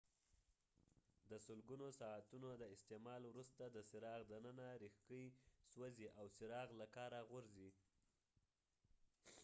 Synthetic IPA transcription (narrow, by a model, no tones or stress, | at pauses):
d̪əsʊlɡunosɑat̪unod̪əɪst̪emɑlwɾust̪ad̪əsɪɾɑɣd̪ənənaɾixkəjswaziʔawsɪɾɑɣlakɑɾaɣʊɾzi